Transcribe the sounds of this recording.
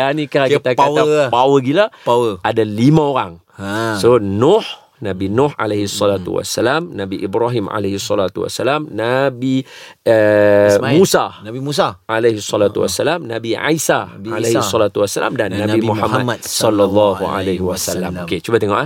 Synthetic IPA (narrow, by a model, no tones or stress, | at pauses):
anikaat̪akpawapawəɡilaawəadalimãoɾaŋ | sonʊh | nabinʊha̰lehisːɔlat̪ṵwa̰sːalamnabiʔibɾaɦima̰lehisːɔlat̪uwa̰sːalamnabiəmusanabimusaʔaleɦisːɔlat̪uwa̰sːalamna̰bia̰isaalehisɔlat̪uwasːala̰mdannːabimuhamamat̪sɔlːalːɔɦua̰leɦiwasalːamoket͡ʃubat̪ɛŋɔʔa